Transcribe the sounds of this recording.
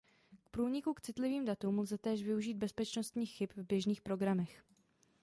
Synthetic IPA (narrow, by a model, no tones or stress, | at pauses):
k̚pɾuːɲɪkukt͡sɪt̪lɪviːmdat̪umlzɛt̪ɛːʃvɪuʒiːd̪̚bɛspɛt͡ʃno̞st̪ɲiːxxɪpvbjɛʒniːxpɾo̞ɡɾamɛx